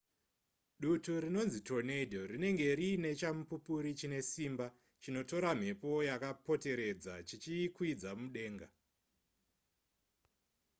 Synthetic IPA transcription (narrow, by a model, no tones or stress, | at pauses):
ɗutuɾino̞nzito̞nedʱo̞rine̞ŋɡe̞ɾiːne̞t͡ʃamupupuɾit͡ʃine̞simba | t͡ʃino̞to̞ɾam̤e̞po̞jakapo̞te̞ɾe̞d͡zat͡ʃit͡ʃikwid͡zamuɗe̞ːŋɡa